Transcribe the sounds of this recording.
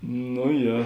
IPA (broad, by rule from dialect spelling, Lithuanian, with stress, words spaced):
noː ˈjɛ